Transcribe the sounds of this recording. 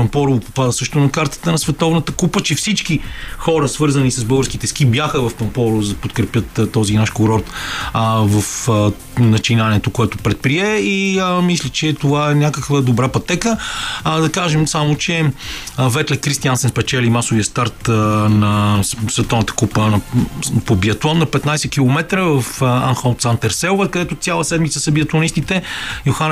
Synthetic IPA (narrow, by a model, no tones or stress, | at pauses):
pɐmpɔɾopopad̪əsɤʃt̪ʊnɐkaɾt̪ə̥t̪ənɐsvɛt̪ɔvnət̪əkupət͡ʃɛfsit͡ʃkixɔɾəsvɤɾzənisɐzbɤlˠɡəɾskit̪ɛsk̟ibjaxəvɐfpɐmpɔɾʊzd̪ɐpot̪kɾɛpʲjət̪t̪ːɔzinaʃkoɾɔɾt̪ | vɐf | nɐt͡ʃinaniɛt̪okoɛt̪ʊpɾɛt̪̚pɾiɛiəmislʲit͡ʃɛt̪ovaɛnʲakəkvəd̪obɾapɐt̪ɛkəd̪ɐkaʒɛmsamot͡ʃɛ | vɛt̪lɛkɾist̪iansɛnspɛt͡ʃɛlimasoviəst̪aɾt̪nɐsvɛt̪ɔnət̪ə̥kupənɐpobiɐt̪ɔnnːɐpɛt̪najsɛk̟ilˠomɛt̪ɾəvɐfanxot̪sant̪ɛɾsɛlvəkəd̪ɛt̪ot̪sʲjalˠəsɛd̪mit̪səsɐbiət̪ɐnist̪it̪ɛjoxan